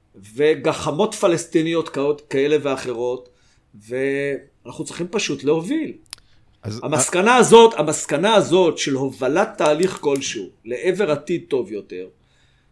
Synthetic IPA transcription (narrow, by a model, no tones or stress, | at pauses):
ve̞ɡaχamo̞tfalest̪inijo̞t̪kaotkae̞le̞veaχe̞ʁo̞t | ve | anaχnut͡sʁiχimpaʃutleho̞vil | zhamaskanaːzo̞t̪amaskanaːzo̞t̪ʃe̞lho̞valat̪ːaːliχko̞lʃṵle̞ʔeve̞ʁat̪id̪̚t̪o̞vjo̞t̪e̞ʁ